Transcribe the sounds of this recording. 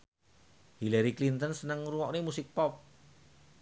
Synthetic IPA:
hilaɾiklint̪ənsənəŋruwɔʔnemusɪk̚pɔp̚

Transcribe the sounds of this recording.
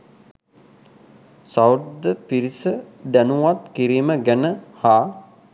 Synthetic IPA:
saw̪d̪əpiɾisə | d̪ænuʋat̪kiɾiːməɡænəhaː

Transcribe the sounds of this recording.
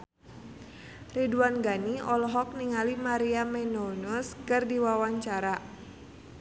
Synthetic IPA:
riduanɡaniɔlɔɦɔk̚niŋalimaɾiamɛnonʊskɨrdiwawaɲt͡ʃaɾa

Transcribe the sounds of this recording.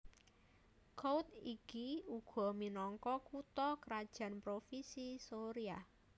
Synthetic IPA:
kowt̪ikiuɡ̥ɔ̤minɔŋkɔkut̪ɔkəɾad̥ʒ̥ä̤npɾofisisoɾia

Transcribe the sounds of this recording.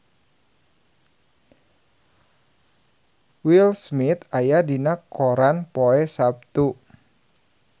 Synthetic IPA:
wilsmit̪ajadinakoɾanpoɛsap̚t̪u

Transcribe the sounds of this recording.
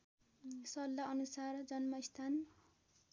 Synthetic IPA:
sʌlːaʌnusard͡zʌnmʌist̪ʰan

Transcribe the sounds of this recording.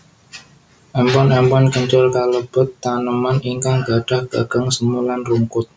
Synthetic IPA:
ʔɛmpɔnɛmpɔnkəɲt͡ʃɔlkaləb̥ət̪ːanəmaniŋkaŋɡ̥aɖ̥ahɡ̥a̰ɡ̥aŋsəmulanruŋkʊt̪̚

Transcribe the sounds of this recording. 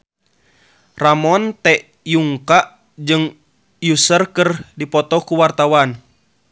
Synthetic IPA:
ramɔnt̪ɛʔ | juŋkaʔ | d͡ʒɨŋ | jusərkɨrdipɔt̪ɔkuwart̪awan

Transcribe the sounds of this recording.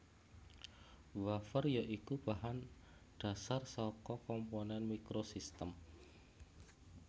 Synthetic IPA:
wafərjaʔikub̥aɦanɖ̥a̤sarsɔkɔkɔmpɔnɛnmikɾosist̪əm

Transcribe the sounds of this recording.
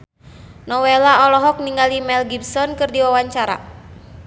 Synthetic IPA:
nɔwelaɔlɔɦɔk̚niŋɡalimɛlɡibsɔnkɨrdiwawaɲt͡ʃaɾa̰

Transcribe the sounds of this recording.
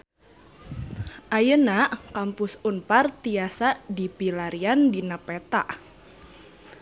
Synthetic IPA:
ʔajənaʔkampʊsunpart̪iasaʔdipilaɾiandinapɛt̪a̰ʔ

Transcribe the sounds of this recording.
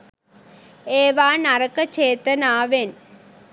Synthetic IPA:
eːʋaːnɐɾɐkːɐt͡ʃeːt̪ɐnaːʋen

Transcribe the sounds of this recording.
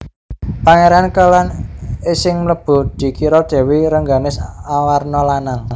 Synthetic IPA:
paŋeɾankəlanesɪŋmləb̥ʊ̤d̪̥i̤kiɾɔd̪̥e̤wiɾəŋɡanɪsawarnɔlanaŋ

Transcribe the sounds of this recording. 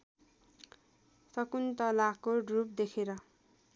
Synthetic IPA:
sʌkunt̪ʌlakoɖrup̚d̪ekʰeɾʌ

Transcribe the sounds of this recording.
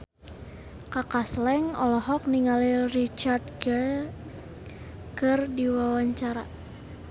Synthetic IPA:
kakaslɛŋɔlɔɦɔk̚niŋalirit͡ʃardɡ | kɨrdiwawaɲt͡ʃaɾa̰

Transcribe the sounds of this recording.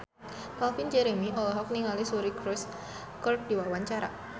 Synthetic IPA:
kalfind͡ʒeɾeŋiʔɔlɔɦɔk̚niŋalisuɾikɾɔs | kɔr̚d̥i̤wawaɲt͡ʃaɾa

